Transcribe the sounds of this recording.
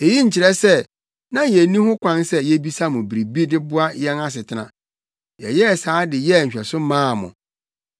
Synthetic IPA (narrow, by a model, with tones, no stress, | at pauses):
e˨ji˦ɲ̩˨t͡ɕʰɪ˨ɾɛ˦sɛ˦ | nã˦jɛ˨nĩ˦hʊ̃˦kʷʰã˦nsɛ˦jɛ˦bi˦sa˦mʊ̃˨bi˨ɾi˨bi˦dɪ˦bʊ˦a˦jɛ˦na˦s̬ɪ˨tʰɪ˨˦nã̰˨ | jɛ˨jɛ˦˨saː˨˦dɪ˨jɛ˦˨ɲ̩˨ɕᶣɛ˨sʊ˦mãː˦˨mʊ̰̃˨